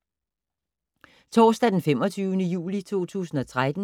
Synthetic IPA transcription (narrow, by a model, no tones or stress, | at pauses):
t͡sʰɒːsd̥æd̥enfem̰ɒt͡sʰyːʊnəjṵːlit͡sʰo̝̰ːt͡sʰṵːsn̩ɒ̽t͡sʰʁad̥n̩